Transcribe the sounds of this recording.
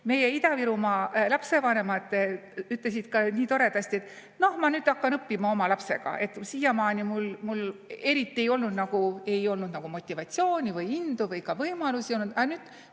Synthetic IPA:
me̞je̞id̪ɑviɾumɑlɑpse̞vɑne̞mɑd̪̥yt̪ˑles̬id̪̥kɑniːt̪o̞ɾe̞d̪ɑsʲt̪ie̞t̪ːˑ | no̞hmɑnyːd̪ɑkːɑnɤpːimɑo̞mɑlɑpse̞ɡ̥ɑ̰ʔe̞t̪ːsiːjɑmɑːnimulmule̞ɾit̪ːie̞jo̞lnud̪nɑɡ̥ue̞jo̞lnud̪̥nɑɡ̥umo̞t̪ʲːˑivɑt̪sio̞ːnʲivɯjind̪̥uvɯjkɑvɤjmɑlusio̞lnud̪ɑnyːd̪̥

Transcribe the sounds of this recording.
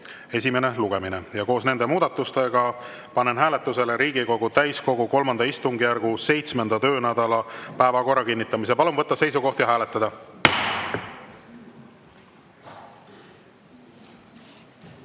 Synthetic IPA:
e̞s̬ʲime̞ne̞luɡ̥e̞minejɑko̞ːsne̞nd̪emuːd̪̥ɑt̪ːˑust̪e̞ɡ̥ɑ | pɑnenɦæːle̞t̪ːˑuse̞leɾiːɡiko̞ɡ̥ut̪æjsko̞ɡ̥uko̞lmɑnd̪̥ɑist̪uŋɡijærɡ̥use̞jt̪sme̞nd̪̥ɑt̪ø̞ːnæd̪̥ɑlɑpæːvɑko̞rːɑkinʲːit̪ˑːɑmis̬epɑlumvɤt̪ːɑse̞jsuko̞ht̪jɑɦæːlet̪ːˑɑd̪ɑ

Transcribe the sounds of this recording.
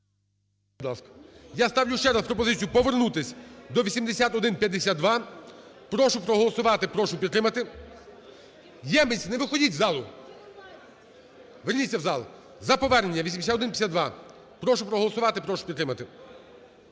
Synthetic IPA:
d̪lˠɑ̰skɐ̥jast̪ɑwlʲʊʃt͡ʃɛɾɐspɾɔpɔzɪt͡sʲijupɔʋernut̪ɪsʲd̪ɔʋʲisʲimd̪esʲat̪ɔd̪ɪnpʲjɐd̪esʲad̪̚d̪ʋɑ | pɾɔʃʊpɾɔɦɔlˠɔsʊʋɑt̪ɪpɾɔʃʊpʲid̪ɾɪmɐt̪ɪ | jɛmɪsʲnɛʋɪxɔdʲitʲzɑlˠʊ | ʋernʲit͡sʲːɐwzɑlˠ | zɐpɔʋɛrnenʲːɐʋʲisʲimd̪esʲat̪ɔd̪ɪnpʲjɐsʲad̪d̪ʋɑ | pɾɔʃʊpɾɔɦɔlˠɔsʊʋɑt̪ɪpɾɔʃʊ̥pʲid̪t̪ɾɪmɐt̪ɪ

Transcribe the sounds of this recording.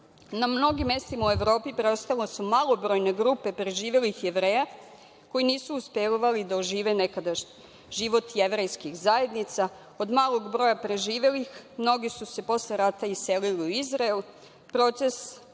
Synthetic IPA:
namno̞ɡimje̞st̪imaue̞ʋɾo̞ːpipɾeost̪alosumaːlˠo̞bɾo̞jne̞ɡɾupe̞pɾe̞ʒiːʋe̞lixjeʋɾeːja | ko̞jiniːsuːspelʋalid̪aoʒiːʋe̞nekad̪aʃɲ | ʒiʋot̪je̞ʋɾejskixzaje̞d̪nit̪sa | o̞d̪maːlˠo̞ɡbɾo̞japɾe̞ʒiːʋe̞lixmno̞ɡisuse̞po̞sleɾat̪aise̞liliuizɾaelu | pɾo̞ːt̪se̞s

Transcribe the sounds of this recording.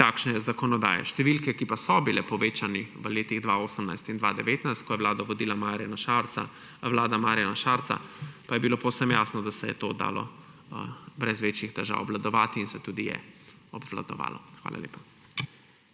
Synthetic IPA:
takʃnɛjɛzakɔnɔd̪a̰ːjɛ̰ʃt̪ɛʋilkɛkipasɔbilɛpɔʋeːt͡ʃaniʋəleːt̪iɣd̪ʋaoːsəmnajst̪ind̪ʋad̪ɛʋeːt̪najst̪̚kɔjɛʋlaːd̪ɔʋɔd̪iːlamaɾjanaʃaɾa̰ | wlaːd̪amaːɾijanaʃaːɾt̪sa̰pajɛbilopowsəmjaːsnɔd̪asɛjɛ̰t̪od̪a̰ːlɔ̰ | bɾɛzʋeːt͡ʃjixt̪ɛʒa̰ːwɔblad̪ɔʋaːt̪iːnsɛt̪uːd̪ijɛ̰ | ɔbvla̰d̪ɔ̰ʋa̰ːlɔxʋa̰ːlʔa̰lḛːpa

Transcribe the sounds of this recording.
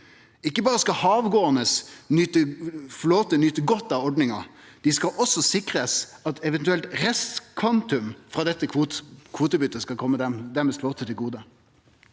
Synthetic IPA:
ɪkːəbɑːɾəskɑhɑːʋɡoːənəsnʏt̪əfloːt̪ənʏt̪əɡɔt̪ːɑʋɔɖnɪŋɑ | d̪̥ɪskɑʔɔsɔsɪkʁəsɑt̪ɛʋɛnt̪ʉɛlt̪ɾɛst̪kʰʋɑnt̪ʉmfɾɑːd̪ɛt̪ːəkʰukʰʋuːt̪əbʏt̪ːəskɑkʰɔmːəd̪ɛmd̪æmɛsfloːt̪ʰət̪ʰɪlɡuːd̪ə

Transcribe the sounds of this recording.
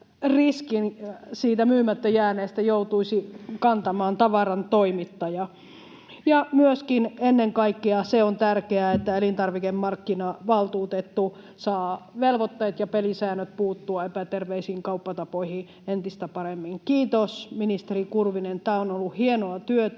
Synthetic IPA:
riskinsiːt̪æmyːmæt̪ːøjæːneːst̪æjout̪uisikɑnt̪ɑmɑːnt̪ɑʋɑrɑnt̪oimit̪ːɑjɑ | jɑmyøskinenːeŋkɑikːiɑseont̪ærkeæet̪ːæelint̪ɑrʋikemmɑrkːinɑʋɑlt̪uːt̪et̪ːu | sɑːʋelʋot̪ːeːt̪jɑpelisæːnøt̪̚puːt̪ːuɑepæt̪erʋeisiːŋkɑupːɑt̪ɑpoihi | ent̪ist̪æpɑɾemːiŋkiːt̪osminist̪erikurʋinent̪æːonolːuhienoɑt̪yøt̪

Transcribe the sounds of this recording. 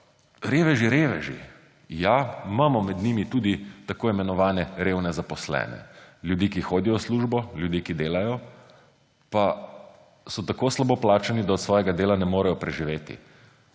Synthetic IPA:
ɾeːʋɛʒiɾeːʋɛʒḭ | jaimaːmɔmɛd̪nimit̪uːd̪it̪akoːimɛnɔʋaːnɛɾewnɛzapɔslɛ̰ːnɛ̰ljud̪iːkixoːd̪ijɔsluːʒbɔljud̪iːkid̪eːlajɔ | pa | sɔt̪akoːslaboplaːt͡ʃanid̪aɔt̪sʋɔːjɛɡad̪eːlanɛmoːɾɛjɔpɾɛʒiʋeːt̪ḭ

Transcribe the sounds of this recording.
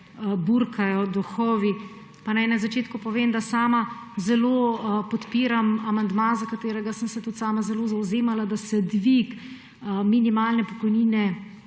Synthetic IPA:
buɾkʰajɔd̪uxɔːʋi | panɛnɛmzat͡ʃeːt̪kupɔʋeːmd̪asaːma | zɛloːpɔt̪piːɾamamand̪mazakat̪eːɾɛɡasəmsɛt̪ut̪saːmazɛloːzawzeːmalad̪asɛd̪ʋik | minimaːlnɛpɔkɔjniːnɛ

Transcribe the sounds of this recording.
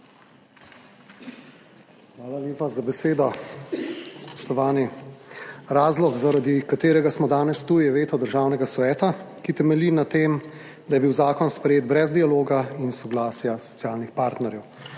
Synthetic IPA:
xʋaːlaljeːpazabɛseːd̪ɔ | spɔ̥ʃt̪ɔʋaːni | ɾaːzlɔɡzaɾad̪ikat̪eːɾɛɡasmɔd̪aːnɛst̪uːjɛʋeːt̪ɔd̪əɾʒaːwnɛɡasʋɛːt̪akit̪ɛmɛlinat̪eːm | d̪ajɛbiwzaːkɔnspɾɛjeːd̪bɾɛzd̪ialoːɡainsɔɡlaːsjasɔ̥t̪sjaːlnixpaːɾt̪nɛɾjɛw

